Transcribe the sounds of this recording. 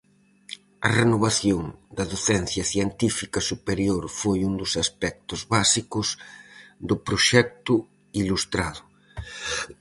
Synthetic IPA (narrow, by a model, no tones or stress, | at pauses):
ɐ̰renoβ̞aθjoŋd̪ɐðoθɛnθjɐθjent̪ifikɐsupeɾjoɾfojund̪ʊsaspɛk̚t̪ʊzβasikʊsðʊpɾoʃɛk̚t̪ʊ | ilust̪ɾaðʊ